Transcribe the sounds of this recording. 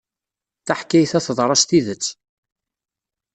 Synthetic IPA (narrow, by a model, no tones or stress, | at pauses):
θaħkːæjθæθðˤɾˤɑst̪iðət͡sː